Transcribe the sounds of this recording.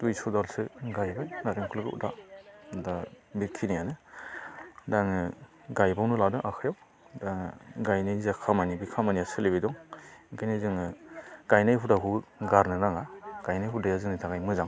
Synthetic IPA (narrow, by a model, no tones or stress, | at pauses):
d̥ujsɔdalsɯɡajbajnaɾeŋkʰulɯɡɯṵdada | bikʰinijanɯ | daŋɯ | ɡajbawnuladɯŋʔakʰajaw | daŋɡajnajzakʰamanibikʰamaniasɯlebedɔŋɡajnizɯŋɯɡ̥ajnajɦudaɦuɡaɾnɯɾaŋaɡ̥ajnajɦudajazɯŋnitʰaŋajmɯzaŋ